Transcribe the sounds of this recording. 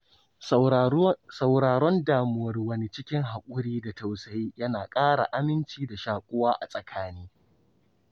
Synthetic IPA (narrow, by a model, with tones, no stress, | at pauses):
sa˨wɽaː˨ɾɔ˦ndaː˨mʊ˨wɐ˨rwɐ˦ni˦˨t͡ʃɪ˦kʲɪ˦ŋɦa˨kʷʼʊ˦ɽiː˦da˨ta˨wsɐ˨jiː˦jɐ˦naː˨kʼaː˦ɽa̰˨ʔa˦mɪ˦nt͡ʃiː˦da˨ʃaː˨kʷʼʊ˦waː˦ʔa̰˨sʼɐ˨kʰaː˦niː˦